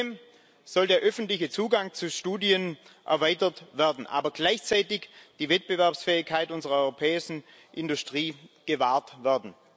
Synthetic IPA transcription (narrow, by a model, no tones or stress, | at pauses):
m | z̥ɔldeːɐʔœfn̩tlɪçət͡suːɡaŋt͡suʃtuːdiənʔɛ̰ɐvaɪtɐtv̥ɛɐdn̩ʔa̰ːbɐɡlaɪçt͡saɪtɪçd̥iːvɛt̚b̥əvɛɐpsfɛːɪçkʰːaɪtʊnzəʁɐɔʏʁopʰɛːɪʃn̩ | ʔɪndustʁ̥iːɡ̥əvaːɐtvɛɐdn̩